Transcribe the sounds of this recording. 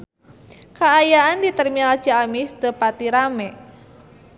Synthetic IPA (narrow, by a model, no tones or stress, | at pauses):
kaːjaandit̪ərmilad͡ʒaamist̪əpat̪iɾamɛ